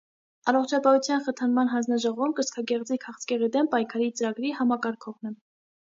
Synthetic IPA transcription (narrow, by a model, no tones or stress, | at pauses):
ɑrɔχt͡ʃʰɑpɑhut͡sʰjɑnχət̪ʰɑnmɑnɦɑnd͡znɑʒɔʁɔvumkəskʰɑkɛʁd͡zikʰɑχt͡sʰkɛʁid̪ɛmpɑjkʰɑɾit͡səɾɑɡɾihɑmɑkɑɾkʰɔʁnɛ